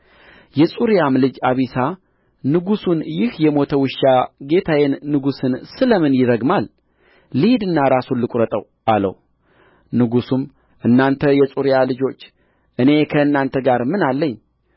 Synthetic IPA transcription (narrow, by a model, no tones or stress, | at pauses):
jɛsʼuɾijamlɨd͡ʒaβisa | nɨɡusunjɪhjɛmo̞t̪ʰəwɨʃːaɡe̞t̪ʰajenːɨɡusɨnsɨləmɨnjɪɾəɡmalː | ɨhid̪ɨnːaɾasunlɨkʼɾət̪ʼəw | ʔalə̰w | nɨɡusum | ʔɨnːant̪ʰəjɛsʼuɾjalɨd͡ʒo̞t͡ʃː | ʔɨne̞kʰəɨnːant̪ʰəɡaɾmɨnalːəɲː